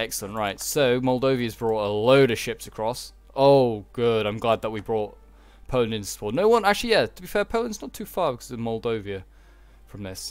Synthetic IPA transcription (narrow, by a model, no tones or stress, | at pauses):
ɛksəl̩ˠə̃nʔɹaɪtsoʊmɔlˠdoʊviɨzbɹɔˑtəloʊɾəʃɪpsəkʰɹ̥ɔs | oʊɡ̥ʊɾãɪ̃mɡlæd̪̚ðəʔ̚wibɹɔˑt̚ | pʰoʊl̃ˠnɪ̃nspʰɔˑnoʊwʌ̃nak̚t͡ʃʉl̩ˠijætʰəbifɛɹpʰoʊlˠə̃nznətʰʉfɑːɹbɪkʰʌzmɔlˠdoʊviɨ | fɹə̃mðɪs